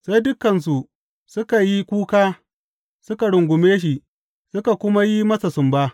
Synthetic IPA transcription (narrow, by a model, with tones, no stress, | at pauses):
sa˦jdʊ˦kːɐ˨ns̬u˨ | sʊ˦ka˨ji˦kʷuː˦kaː˦ | sʊ˦ka˨ɽʊ˨ŋɡʷʊ˨meː˦ʃ̬i˨ | sʊ˦ka˨kʷʊ˦ma˦ji˦mɐ˦sa˨sʊ˨mbaː˦